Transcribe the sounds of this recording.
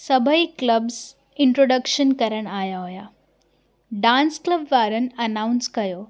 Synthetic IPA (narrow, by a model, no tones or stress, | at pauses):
sɐbʱəikləbz | ɪ̃ɳʈɾoːɖəkʃənkɐɾəɽ̃aːjaɦoja | ɖãːnskləbʋaːɾən̆ɐnaʊnskɐjoː